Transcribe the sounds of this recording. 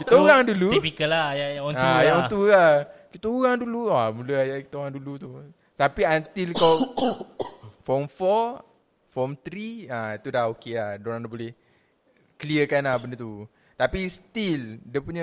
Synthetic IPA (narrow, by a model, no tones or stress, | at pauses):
kit̪auɣaŋduluipikəlajajajaɔ̃nt̪ulakit̪əuɣaŋduluamuləjaki̥t̪auɣaŋdulut̪u | t̪apiant̪ilkaw | fɔmfɔ | fɔmt̪ɾiait̪udahokelahdoɾaŋdabolɛh | kəliəkanahbəndət̪u | t̪apist̪ildiəpuɲə